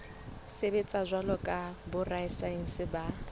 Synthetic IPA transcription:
sebet͡sʼazʷalɔkʼabʊraɪsain̩sɪba

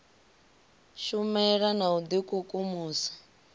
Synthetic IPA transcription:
ʃumɛɺanaud̪ikukʼumuːsḁ

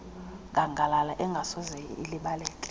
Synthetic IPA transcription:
ŋɡʱaŋɡʱalalaʔɛŋɡʱasɔzɛḭliɓalɛːkʼɛ̥

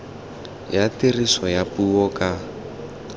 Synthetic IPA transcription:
jatirisɔjapuɔka

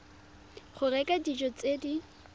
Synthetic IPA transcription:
χʊrɛkʼadid͡ʒɔt͡sʼedi

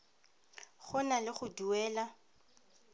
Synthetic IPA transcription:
χʊnalɪχʊduɛːla

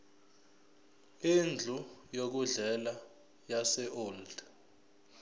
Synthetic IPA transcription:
ind͡ɮʱujok̬uɮɛla | jasɛʔoːld

